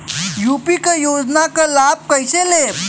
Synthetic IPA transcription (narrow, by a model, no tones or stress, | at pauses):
jupikəjod͡znakəlab̚kəjsele